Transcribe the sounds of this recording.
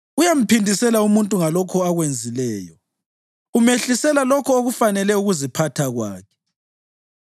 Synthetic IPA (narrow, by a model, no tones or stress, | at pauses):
ujam̩pʰindʱisɛlaumuntʼuŋalɔkʰɔaɣwend͡zʱilɛːjɔ̰ | umeɬisɛlalɔkʰɔoɣufanɛlɛuɣuzipʰatʰaɣwaːkʰɛ̥